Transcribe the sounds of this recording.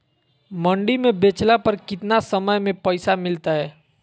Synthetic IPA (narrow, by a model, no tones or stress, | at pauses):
mɐ̃ɳɖimẽbeːt͡ʃlapɐɾkɪt̪nasəməjmẽpɐɪsamɪlt̪aɦɛː